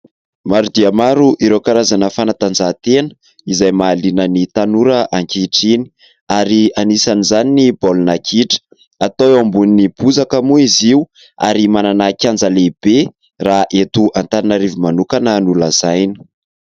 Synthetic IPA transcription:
maɾud̪iamaɾuʔiɾewkaɾazanəfanat̪and͡zat̪enə̥ | izajmaːlinənit̪anuɾəʔaŋkiʈ͡ʂini̥ | aɾianisanizaninibolunakʰiʈ͡ʂə̥ | at̪oambuninib̥uzakəmuiziu | a̰ɾimananakʲand͡zaleb̥e | raʔet̪uʔant̪aɾinaɾivimanukanənulazajni̥

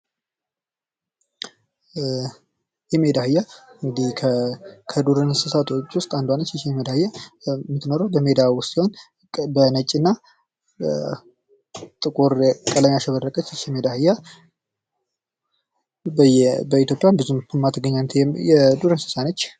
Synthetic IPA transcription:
jɛmed̪ahɨjːaɨŋɡɨd̪ihkʰəkʰəd̪uɾɨnsɨsat̪ʰo̞t͡ʃːwʊst̪ʼand̪wanːət͡ʃːɛt͡ʃɛmed̪ahɨjamɨt̪noɾəwbəme̞d̪awʊst̪siho̞n | bənət͡ʃʼːɨnːa | t̪ʼɨkʼuɾkʼələmjaʃɛβərːəkʼət͡ʃːt͡ʃɛmed̪ahɨjːa | bbəit̪jo̞pʼjanbɨzumtʰumːat̪ʰəɡəɲːanːt̪jɛd̪uɾɨnsɨ̥sanət͡ʃː

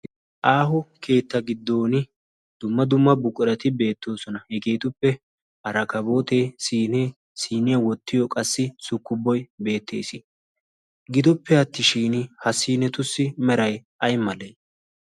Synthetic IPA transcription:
ʔaːɦʊke̞ːt̪ːɐɡɪd̪ːo̞ːnɪ | d̪̥ʊmːɐd̪ʊmːɐbʊkʼʊɾɐt̪ɪbe̞ːt̪ːo̞ːsɔnɐhɛɡe̞ːt̪ʊpːɛ | ʔɐɾɐkɐbo̞ːt̪e̞ːsiːne | siːnɪjɐwɔt̪ːɪjɔkʼɐsːɪsʊkːʊbːɔjbe̞ːt̪ːe̞̰ːsɪ | ɡɪd̪ʊpːɛɐt̪ːɪʃiːnɪhɐsiːnɛt̪ʊsːɪmɛɾɐjʔɐjmɐleː

